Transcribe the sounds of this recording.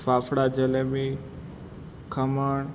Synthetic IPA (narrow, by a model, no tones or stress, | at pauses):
saːfɽad͡ʑɐlemi | kʰɐməɳ